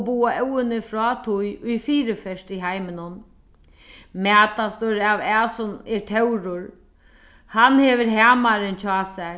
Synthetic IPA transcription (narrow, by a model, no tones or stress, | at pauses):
buːaʔɛwɪnɪfɾɔːt̪ʰʊjʊjfiːɾɪfɛʂt̪iɦajmɪnʊn | mæːt̪ast̪ʊɾawɛːsʊnɛɹʈʰɛwɾʊɾ | hanhɛʋɪɾɦæːmaɾɪnt͡ʃʰɔːsɛ